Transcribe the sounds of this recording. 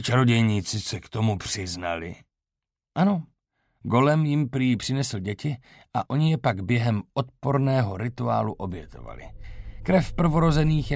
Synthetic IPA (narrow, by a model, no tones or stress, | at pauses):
t͡ʃaɾo̞ɟɛjɲiːt͡sɪsɛkt̪o̞mupr̝̥ɪzna̰lɪ̰ | ʔano̞ | ɡo̞lɛmjɪmpɾijːpr̥ɪnɛsl̩ɟɛcɪ | ʔaʔo̞ɲɪjɛpaɡbjɛɦɛmʔo̞t̪̚po̞ɾnɛːɦo̞ɾɪt̪ua̰ːluʔo̞bjɛt̪o̞̰va̰lɪ̰kɾɛfpr̩vo̞ɾo̞zɛniːxj